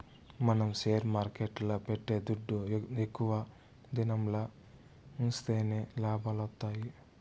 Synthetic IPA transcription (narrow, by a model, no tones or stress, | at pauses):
mɐnɐmseːɾmaːɾkeʈlɐpeʈːed̪uɖːuekːuʋɐ | d̪inɐmlɐ | unst̪eːneːlaːbʱɐlɐt̪ːaːji